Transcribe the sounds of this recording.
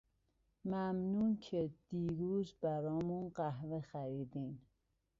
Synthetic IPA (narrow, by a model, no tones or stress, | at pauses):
mæmnuːncʰed̪̥iːɾuːzbæɾɒːmunɢæhvexæɾiːd̪iːn